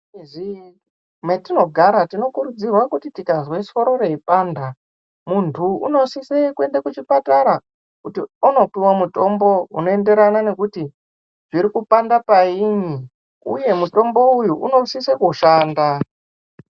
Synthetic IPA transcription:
zi | metino̞ɡʱaɾatino̞kuɾud͡zirwakutitikazwe̞so̞ɾo̞re̞ipaːnda | muntʰuuno̞sisekwe̞ndakut͡ʃipataɾa | kutiuno̞piwamuto̞mbo̞uno̞ende̞ɾanane̞kuti | ʐ̥iɾikupandapaiɲi | ṵje̞muto̞mbo̞ujuʔuno̞sisekuʃaːnda

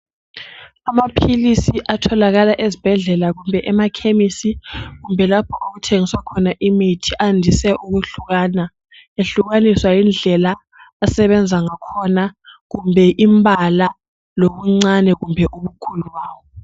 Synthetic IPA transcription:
amapʰilisiʔatʰɔlaɣalaʔezib̥ʱɛɮɛlaɣumbʱɛʔɛmakʰemisiɣumbʱɛlapʰɔoɣutʰeŋiswakʰɔnaʔimitʰiʔandʱisɛʔuɣuɬuɣaːna | eɬuɣaniswajind͡ɮʱɛlaː | sɛβɛnd͡zʱaŋakʰɔnaɣumbʱɛʔimbʱala | loβuŋ͡ǀanɛɣumbʱɛʔuβukʰuluwaːwɔ

